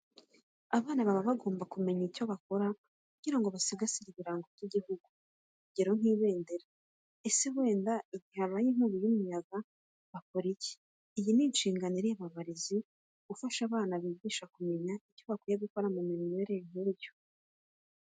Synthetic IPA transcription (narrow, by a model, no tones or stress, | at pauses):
aβaːnaβaβaβaɡo̞ːmbakume̞ɲicoβako̞ɾa | kuɟ̥iɾaŋɡo̞βasiɡasiɾiβiɾaːŋɡovɟiɟihuɡu | kuɟeɾoŋ̥iːβe̞ːndeɾa | esewe̞ːndaiɟihaβaːjiŋ̥uːβujumujaɡa | βakoɾice̥ː | jiniːnʃiːŋɡaniɾijaβaβaɾizi | ɡufaʃaβaːnaβiɡiʃakume̞ɲaico̞βakujaβiko̞ɾamumiɾineɾeŋ̥eːbjo